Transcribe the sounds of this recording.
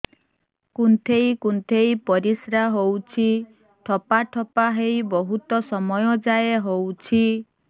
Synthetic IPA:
kunt̪ʰejkunt̪ʰejpɔɾisɾaɦowt͡ʃʰi | ʈʰɔpaʈʰɔpaɦejbɔɦut̪ɔsɔmɔjɔd͡ʒajeɦowt͡ʃʰi

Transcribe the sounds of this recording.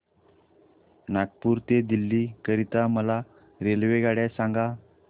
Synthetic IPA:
nakpuːɾt̪ed̪ilːikəɾit̪aməla | ɾelʋeɡaɽjasãŋɡa

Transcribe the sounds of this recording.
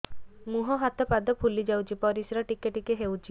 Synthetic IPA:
muɦɔɦat̪ɔpad̪ɔpʰulid͡ʒawt͡ʃʰipɔɾisɾɔʈikeʈikeɦewt͡ʃʰi

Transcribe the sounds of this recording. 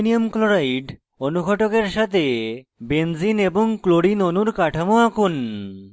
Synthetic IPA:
niomkloɾajɖ | onuɡʰʱɔʈokeɾʃat̪ʰebend͡ʑineboŋkloɽinonuɾkaʈʰamoakun

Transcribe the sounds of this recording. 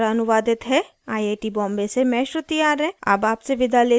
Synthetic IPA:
ɾaɐnʊʋaːd̪ɪt̪ɦɛ | aːieːʈibɔ̃ːmbesemɛːʃɾət̪ijaːɾɦɛ̃ːa̰baːpseʋɪd̪aleː

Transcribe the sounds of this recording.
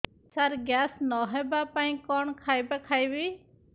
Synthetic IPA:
saɾɡaːsnɔɦɛbapaːĩkɔɳkʰaːjbakʰajbi

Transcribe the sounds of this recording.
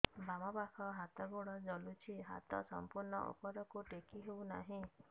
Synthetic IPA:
bamɔpakʰɔɦat̪ɔɡuɽɔd͡ʒɔlut͡ʃʰiɦa̰t̪ɔsɔ̰mpuɾɳɔʔo̰pɔɾɔkuʈekiɦewna̰ɦĩ

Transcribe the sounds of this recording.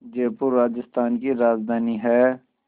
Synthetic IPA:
d͡ʒeːpʊɾːaːd͡ʒɪst̪aːnkiɾaːzd̪ʱaːniɦɛː

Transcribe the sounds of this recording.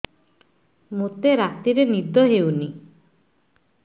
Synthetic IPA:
mut̪eɾat̪iɾenid̪ɔɦewni

